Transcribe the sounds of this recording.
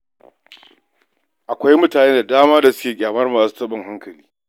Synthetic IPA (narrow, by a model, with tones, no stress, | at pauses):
ʔa˨kʷa˦jmʊ˦taː˨neː˦da˨daː˦maː˦da˨sʊ̥˦kʲeː˨ɡʲaː˨mɐ˦rmaː˨su̥ː˦tɐ˦bɐ˦˨ŋɦa˦ŋkɐ˨liː˦